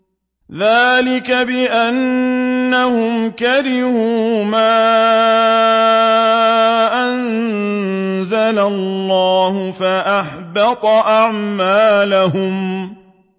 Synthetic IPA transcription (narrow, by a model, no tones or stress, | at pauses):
ðaːlɪkabɪʔanː | ahʊmkaɾɪhuːmaː | ʔan | zalalːɑːhʊfaʔaħbɑt̪ˤɑʔaʕmaːlaɦʊm